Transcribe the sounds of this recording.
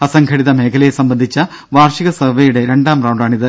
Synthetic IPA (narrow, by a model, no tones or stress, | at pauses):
ɐsɐŋɡʰʱɐɽiðɐme̞ːkʰɐlɐjesɐmbɐnd̪ʱit͡ɕːɐ | ʋaːrʂiɣɐsɐʋejuɽe̞ɾe̞ɳɖaːmrɐwɳɖaːɳiðɨ